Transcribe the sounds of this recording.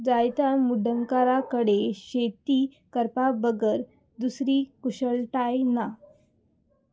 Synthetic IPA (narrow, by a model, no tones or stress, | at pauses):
d͡zajt̪amuɖʱəŋkaɾakəɽeɕet̪iː | kəɾpabəɡəɾ | d̪usɾiːkuɕəɭʈajna